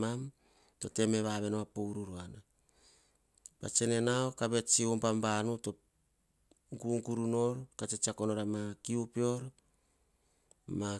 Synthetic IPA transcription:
am | to̞te̞me̞βaβe̞noβapoɾuɾuana | ba̰t͡ʃe̞ne̞naokaβe̞t͡ʃiompambanuto | ɡuŋɡuɾuno̞ɾkat͡ʃet͡ʃiako̞noɾamakiupio̞ɾ | ma

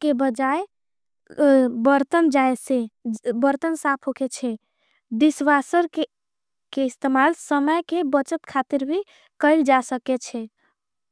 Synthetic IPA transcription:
kebəd͡ʒae | bəɾt̪ənd͡ʒajsebəɾt̪ənsapʰɦoket͡ʃʰɛ | d̪isʋasəɾke | keɪst̪emalsəməjkebət͡ʃət̪kʰat̪iɾbʱi | kəɪld͡ʒasəket͡ʃʰɛ

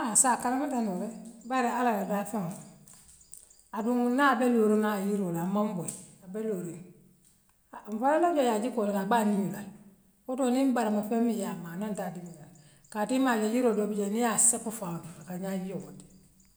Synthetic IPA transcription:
aasakalamatanoɾɛbaɾɛalalabafɛŋ | aduŋnabɛloɾonajiɾolamamboiabɛloɾen | m̩falalɔd͡ʒɔjad͡ʒikolɛkaɡ͡banimla | otonimbaɾamafɛmːijamaːnantadiminal | katimalɛjiɾodobid͡ʒeniasɛpufanuakaɲajioɡoti̥

